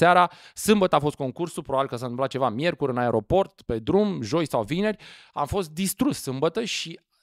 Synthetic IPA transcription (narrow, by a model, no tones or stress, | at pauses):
saɾasɨmbət̪əafo̞st̪̚ko̞ŋkursulpɾobabilkəsanɨmplat̪̚t͡ʃe̞vamje̞rkuɾɨnaeɾʔo̞po̞rt̪pe̞d̪ɾumʒo̞jsawvine̞rʲ | a̰mfo̞st̪̚d̪ist̪ɾussɨmbət̪əʃi